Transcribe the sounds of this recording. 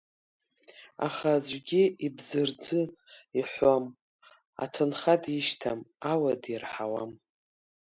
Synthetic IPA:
a̰χad͡ʒʷɡʲiibzɨrd͡zɨiħʷam | a̰tʰɨnχadiʃtʰamawadirħawam

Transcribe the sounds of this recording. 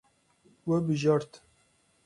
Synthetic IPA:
wɛbɨʒɑɾt̪

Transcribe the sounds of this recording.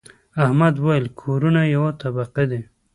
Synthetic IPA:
ahmad̪wajəlkʰoɾunajawat̪abaqed̪e

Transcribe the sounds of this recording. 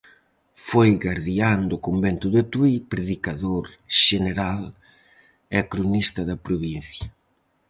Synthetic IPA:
fojɣaɾðiand̪okombɛnt̪ʊðet̪uipɾeðikaðoɾʃeneɾal | ɛkɾunist̪ɐðɐpɾoβin̟θjɐ

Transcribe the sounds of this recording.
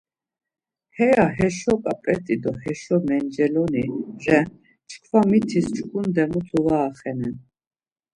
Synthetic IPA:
hɛaɦɛʃɔkʼapʼɛt̪ʼid̪ɔhɛʃɔmɛnd͡ʒɛlɔniɾɛ | t͡ʃʰkʰvamit̪ʰist͡ʃʰkʼund̪ɛmut̪ʰɔvaːχɛnɛn

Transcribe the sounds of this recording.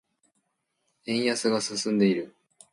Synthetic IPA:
ẽ̞ɰ̃jasɨɡasɨsɨ̃nd̪e̞iɾɯ̟

